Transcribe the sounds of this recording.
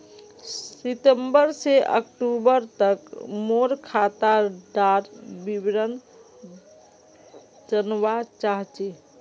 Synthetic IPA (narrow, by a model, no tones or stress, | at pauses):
it̪əmbəɾseʔə̰k̚ʈubəɾt̪əkmoɾkʰat̪aɖaɾbibɾən | d͡ʒənwat͡ʃaɦt͡ʃe